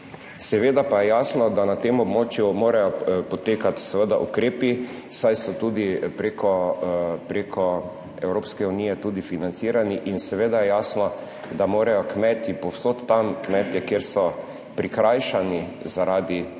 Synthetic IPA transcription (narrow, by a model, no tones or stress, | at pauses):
sɛʋeːd̪apajɛjaːsnɔd̪anat̪emɔbmoːt͡ʃjumoːɾajɔpɔt̪eːkat̪sɛʋəd̪a̰ʔukɾeːpi | sajsɔt̪uːd̪ipɾekɔ | pɾekʰɔ | ɛwɾoːpskɛuniːjɛt̪uːd̪ifinant̪siːɾaniʔinsɛʋeːd̪ajɛjaːsnɔ | d̪amoːɾajɔkmɛt̪ipɔwsoːt̪ːamkmɛːt̪jɛkjeːɾsɔ | pɾikɾajʃanizaɾaːd̪i